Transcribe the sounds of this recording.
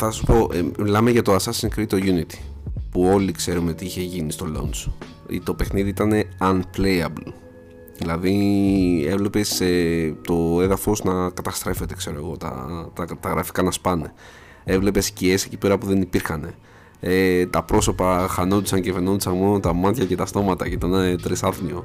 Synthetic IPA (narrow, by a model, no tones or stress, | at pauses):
θɐsɐsu̥po̞ʔmilɐmeʝɐt̪o̞ɐsɐsiŋkɾit̪oʝunit̪i̥puo̞likse̞ɾunet̪iiçe̞ʝinist̪o̞lo̞̰ns | ḭt̪o̞pe̞xniðiit̪ɐne̞ɐnplejɐ̰blo | ðilɐði | e̞vle̞pe̞set̪o̞e̞ðɐfo̞znɐkɐt̪ɐst̪ɾe̞fe̞t̪e̞kse̞ɾo̞e̞ɣo̞t̪ɐ̰t̪ɐt̪ɐɣɾɐfi̥kɐnɐspɐne̞ | e̞vle̞pe̞scie̞se̞ci̥pe̞ɾɐpuðe̞nipiɾxɐne̞ | et̪ɐpɾo̞so̞pɐxɐnond̪isɐɲɟeveno̞nd̪isɐnmo̞not̪ɐmɐt̪çɐce̞t̪ɐst̪o̞mɐt̪ɐcet̪onɐet̪ɾisɐfnio